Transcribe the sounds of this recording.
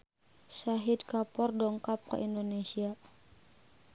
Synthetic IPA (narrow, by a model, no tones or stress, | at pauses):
saɦidkapɔrdɔŋkap̚kə̰ʔindonesia